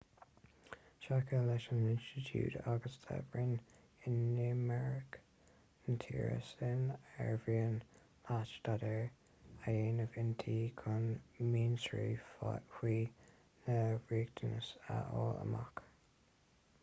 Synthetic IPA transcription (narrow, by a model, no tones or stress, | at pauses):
ʃakʰəlɛʃənɪnstɪtʰjṵːtaɡəstʰɛ̰bɹɪn | ɪnːumɛɹɪk | nt̪ʰḭːɹə̰sɪnɛɹviən | lat͡ʃd̪̥adəɹ | ajeːnəvɪnt̪ʰiːkʰʊnmiːnsɹḭːhiː | nəɹiːɡ̚d̪ənəsə̰ʔɔːlə̰ma̰k